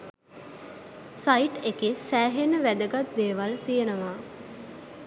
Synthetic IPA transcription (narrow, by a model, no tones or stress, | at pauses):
sajiʈekesæːɦenəʋæd̪əɡat̪̚d̪eːʋalt̪ijənəʋaː